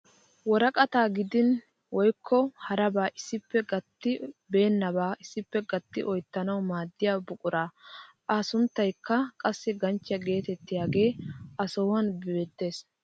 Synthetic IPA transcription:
wɔɾɐkʼɐt̪aːɡɪd̪ɪn | wɔjkʰːɔhɐɾɐbaːʔɪsːɪpːɛɡɐt̪ːɪbe̞ːnːɐbaːʔɪsːɪpːɛɡɐt̪ːɪʔɔjt̪ːɐnɐwmaːd̪ːɪjaːbʊkʼʊɾaːʔaːsʊnt̪ːɐjkːɐkʼɐsːɪɡɐnt͡ʃːɪjɐɡe̞ːt̪ɛt̪ːɪjaːɡe̞ːʔɐsoːwɐnbɪbet̪ːe̞ːs

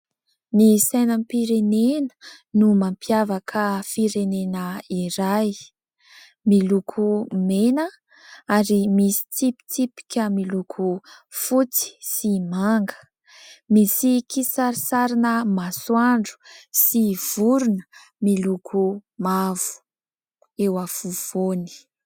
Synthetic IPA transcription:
nisajnampiɾenenə̥ | numampjavakʰəfiɾenenəiɾaj | milukʰumenə | aɾimisi̥t͡sipi̥t͡sipi̥kʲəmilukʰufut͡si̥simaŋɡə̥ | misikisaɾisaɾinəmaswaɳɖ͡ʐu̥siv̥uɾunə̥ | milukʰumavu̥ | ewafuv̥oni̥

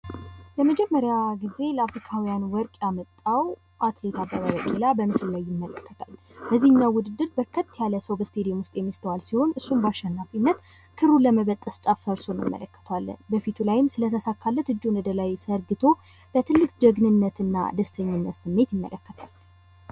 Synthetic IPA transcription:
jəməd͡ʒɛmːəɾjaɡize̞ləafɾikʰawijanwɔɾkʼjamət̪ʼːaw | ʔat̪le̞t̪ʰabaβaβəkʼelabəmɨslulajːɪmːələkːət̪ʰal | bəzihɨɲːawʊd̪ɨd̪ːɨɾbəɾkʰət̪ːjaləsəwbəst̪ʰe̞d̪ijomwʊst̪ʼjɛmːist̪ʰəwalsiho̞nɨsːumbaʃːɛnːafinːət̪ | kʰɨɾuləməβət̪ʼːəst͡ʃʼafsəɾsonɨmːə̰ləkːə̥t̪ʰəwalːə̰nbəfit̪ʰulajɪmsɨlət̪ʰəsakʰːalːət̪ɨd͡ʒːunɨd̪əlajsəɾɡɨt̪ʰo̞ | b̥ət̪ʰɨlːɨkd͡ʒəɡnɨnːət̪ɨnːa̰d̪əst̪ʰəɲːɪnːət̪sɨmːe̞t̪jɪmːə̰ləkːət̪ʰal

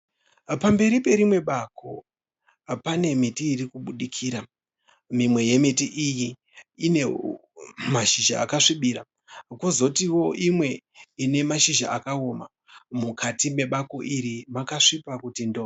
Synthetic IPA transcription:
pambe̞ɾipe̞ɾimwe̞ɓakʰo | pane̞mitiːrikuɓuɗikʰiːɾa | mimwe̞je̞metiʔiji | ine̞ | maʃiʒa̰ːkaʂiɓiːɾa | kozo̞tiwo̞imwe̞ine̞maʃiʒa̰akaoma̰ | mukʰatime̞ɓako̞ʔiɾimakaʂipakutindo

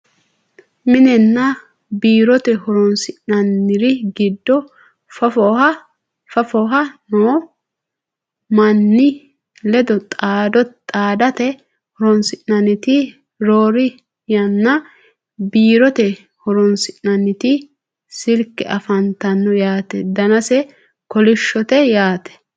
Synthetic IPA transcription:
mɪnɛnːɐ | biːɾɔt̪ɛhɔɾɔnsɪʔɐnːɪɾɪɡɪd̪ːɔ | fɐfɔhɐ | fɐfɔɦɐnoː | mɐnːɪ | lɛd̪ɔt̪ʼaːd̪ɔt̪ʼaːd̪ɐt̪ɛ | hʊɾɔnsɪʔnɐnɪt̪ɪ | ɾoːɾɪ | jɐnːɐ | biːɾɔt̪ɛ | hɔɾɔnsɪʔnɐnːɪt̪ɪ | sɪɾkːɛʔɐfɐnt̪ɐnːɔjaːt̪ɛd̪ɐnɐsɛ | kɔlɪʃːɔt̪ɛjaːt̪ɛ̥

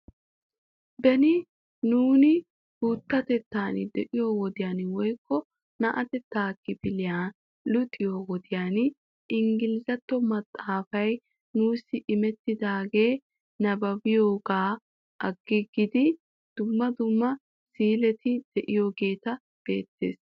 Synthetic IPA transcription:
bɛnɪ | nuːnɪ | buːt̪ːɐt̪ɛt̪ːaːnɪd̪ɛʔɪjo̞ːwɔd̪ɪjaːnwɔjkːɔ | nɐʔɐt̪ɛt̪ːaːkːɪb̥ɪlɪjaː | lʊt̪ʼːɪjoːwɔd̪ɪjaːn | ɪŋɡɪlɪzɐt̪ːɔmɐt̪ʼːaːfɐj | nuːsːɪʔɪmɛt̪ːɪd̪aːɡe̞ː | nɐbɐbɪjoːɡaː | ʔɐɡːɪɡɪd̪ɪ | d̪̥ʊmːɐd̪ʊmːɐ | siːlɛt̪ɪd̪̥ɛʔɪjoːɡe̞ːt̪ɐ | b̥e̞̰ːt̪ːe̞̰ːs

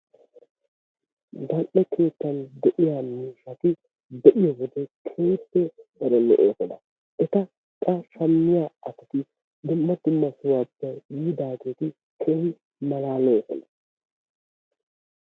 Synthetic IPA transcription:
ɡɐʔɛkʰe̞ːt̪ːɐnd̪ɛʔɪjamiːʃɐt̪ɪ | d̪ɛʔɪjɔwɔd̪ɛkʰeːt̪ːɛd̪ɐɾɛmɛ̰ʔḛːsɔnɐ | ɛt̪ɐ | kʼːɐʃɐmːɪjaːɐt̪ɪt̪ɪ | d̪ʊmːɐd̪ʊmːɐsʊwabːɐjjiːd̪aːɡe̞ːt̪ɪ | kʰewɪ | mɐlaːlɔɔsɔ̰nɐ

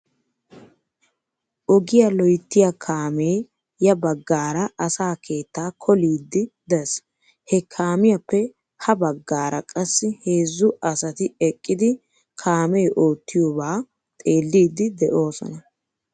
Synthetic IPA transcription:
ʔɔɡɪjɐlɔjt̪ːɪjakʰaːmeː | jɐbɐɡːaːɾɐʔɐsaːkʰe̞ːt̪ːaːkʰɔliːd̪ːɪd̪ɐs | hɛkʰaːmɪjɐpːɛ | hɐbɐɡːaːɾʔɐ̰kʼɐsːɪhe̞ːzːʊɐsɐt̪ɪɛkʼːɪd̪ɪ | kʰaːmeːʔoːt̪ːɪjoːbaː | t̪ʼe̞ːlːiːd̪ːɪd̪ɛʔo̞ːsɔ̰nɐ

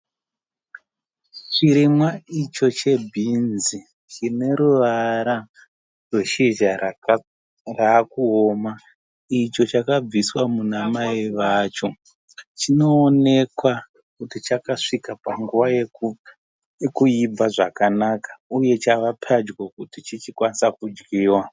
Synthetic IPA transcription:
t͡ʃiɾimwait͡ʃo̞t͡ʃe̞bʱinzi | t͡ʃine̞ɾuʋaɾa | rwe̞ʃeʒa | raːkuo̞ma | it͡ʃo̞t͡ʃakab͡viswamunamaiʋat͡ʃo̞ | t͡ʃino̞ːne̞kwa | kutit͡ʃakaʂikapaŋɡuʋaje | kuibb͡vaʐakanakḁuje̞t͡ʃaʋapʰad͡ʒɡokutit͡ʃit͡ʃikwanisakud͡ʒɡiːwa

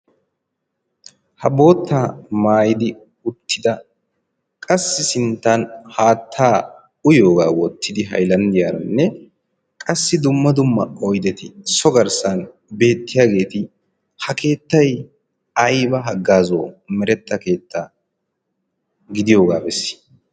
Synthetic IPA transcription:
hɐbo̞ːt̪ːaːmaːjɪd̪ɪ | ʊt̪ʰːɪd̪ɐ | kʼɐsːɪsɪnt̪ːɐnhaːt̪ʰːaː | ʊjo̞ːɡaːwɔt̪ʰːɪd̪ɪɦɐ̰jlɐnd̪ɪjaːɾɐ̰nːɛ | kʼɐsːɪd̪ʊmːɐd̪ʊmːɐɔjd̪ɛt̪ɪsɔɡɐɾsɐn | be̞ːt̪ːɪjaːɡe̞ːt̪ɪ | hɐke̞ːt̪ːɐj | ɐjbɐɦɐɡːaːzo̰ːmɛɾɛt̪ːɐke̞ːt̪ːaː | ɡɪd̪ɪjo̞ːɡaːbɛsːɪ̥

